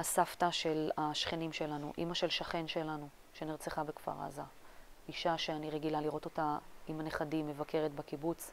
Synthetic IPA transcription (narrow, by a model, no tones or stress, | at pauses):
asaftaʃe̞laʃχenimʃe̞lanuʔḭmaʃe̞lʃaχe̞nʃe̞lanu | ʃe̞niʁt͡seχabekfa̰ʁa̰zaiʃaʃe̞aniʁeɡilaliʁo̞to̞taimaneχadimːe̞vakʰe̞ʁetbekibut͡s